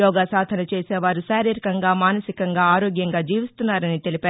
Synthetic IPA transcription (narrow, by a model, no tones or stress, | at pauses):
jɔːɡaːsaːd̪ʱɐnɐt͡ʃeːseːʋaːɾuʃaːɾiːɾikɐŋɡaːmaːnɐsikɐŋɡaːaːɾoːɡjɐŋɡaːd͡ʒiːʋist̪unːaːɾɐnit̪elipæː